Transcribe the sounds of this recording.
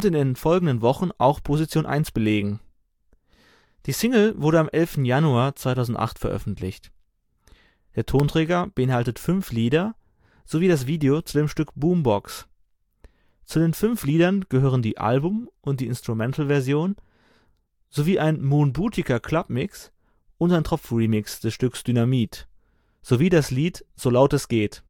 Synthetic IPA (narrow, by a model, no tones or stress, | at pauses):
ʊntɪndeːnfɔlɡŋ̩dənvɔχn̩ʔa̰ʊxpʰozit͡sjoːnʔa̰ɪnsb̥əleːɡŋ̩ | d̥iːsɪŋl̩vʊɐɾəamʔɛlftn̩januaːɐt͡sv̥aɪtaʊzn̩tʔa̰χtfɛɐʔœ̰fn̩tʰlɪ̰çt | d̥eːɐtʰoːntʁ̥ɛːɡɐb̥əʔɪnhaltətfʏnfliːdɐ | z̥oviːdas̬v̥iːdeot͡sudeːmʃtʏkb̥uːmbɔks | t͡sudeːnfʏnfliːdɐnɡ̥əhøːʁ̞əndiːʔa̰lbʊmʔʊntd̥iːɪnstʁ̥umɛntl̩vɛɐzjoːn | z̥oviːʔaɪnmunbuːtʰɪkɐkʰl̥ap̚mɪks | ʔʊntaɪntʁ̥ɔp͡fʁimɪksd̥ɛsʃtʏksd̥ynamiːt | z̥oviːdasliːtz̥oːlaʊtɛsɡ̥eːt